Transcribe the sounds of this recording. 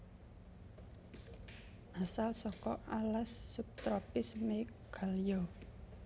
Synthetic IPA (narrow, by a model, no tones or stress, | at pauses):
ʔasalsɔkɔʔalasːup̚t̪ɾɔpɪsme | ɡ̥a̤ljɔ